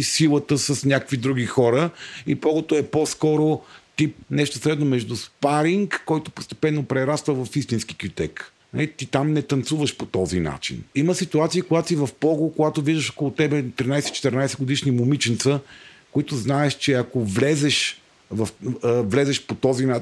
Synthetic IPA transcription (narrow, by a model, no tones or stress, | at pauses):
silˠət̪əsəsnʲakəkvid̪ɾuɡixɔɾəipɔɡot̪oɛpɔskɔɾot̪ip̚nɛʃt̪osɾɛd̪nomɛʒd̪uspaɾiŋkːɔjt̪opost̪ɛ̥pɛnːopɾɛɾast̪vəvɐfist̪insk̟i̥kiot̪ɛ̰k | na̰lit̪it̪amnɛt̪ɐnt̪suvəʃpot̪ɔzina̰t͡ʃḭniməsit̪uat̪siikoɡat̪sivɐfpɔɡokoɡat̪oviʒd̪əʃo̥kolˠot̪ɛbɛt̪ɾinajsɛtit͡ʃɛ̥t̪ɛɾnajsɛɡod̪iʃnimomit͡ʃint̪səkoit̪ʊznaɛʃt͡ʃɛɐkovlɛzɛʃ | vɐfvlɛzɛʃpot̪ɔzina